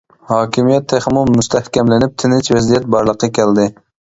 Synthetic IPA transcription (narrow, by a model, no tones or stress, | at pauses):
hɑːkʲʰimijɛt̪ʰːeχmumust̪ʰɛhkʲɛmlɪnɪp̚t̪ʰɪnɪt͡ʃvɛzijɛt̪̚bɑɾlˠəqʰːɑkʲʰɛld̪ɪ